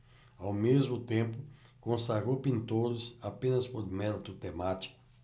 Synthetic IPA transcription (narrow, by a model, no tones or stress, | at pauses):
awmezmʊt̪ẽmpʊ | kõsaɾopĩnt̪od̪ʊsapẽnɐspoɾmɛd̪ɐt̪ʊt̪emat͡ʃi̥kʊ